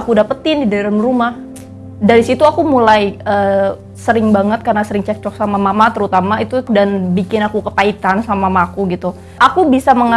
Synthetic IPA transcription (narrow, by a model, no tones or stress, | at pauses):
akudapət̪ɪndidaɛɾamɾumah | daɾisit̪uakumulajə | səɾɪŋbaŋət̪̚karnasəɾɪŋt͡ʃɛk̚t͡ʃɔk̚samamamat̪əɾut̪amait̪udanbikɪnakukəpait̪ansamamaːkuɡit̪u | ʔakubisaməŋa